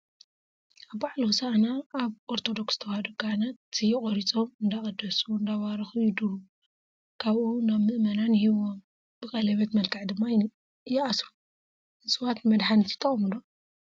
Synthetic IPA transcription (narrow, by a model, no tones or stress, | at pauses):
ʔaβbaʕluusaʔanaːβʔoɾt̪ʰo̞d̪o̞ksz̥t̪ʰɐwhɐd̪oɡanaijɪkʼoɾit͡sʼomɨnd̪akʼɐd̪ɐsuɨnd̪awaɾɐxujɪd̪uɾu | kʰaβʔunaβmɨʔmɐnanhiβom | b̥ɨkʼɐlɐβɐt̪mɐlkʰaʕd̪ɨmːa | jɛasɾu | ɨsʼɨwat̪nmɐd̪ħanɨt̪ʰi̥t̪ʰɐχʼmɨlo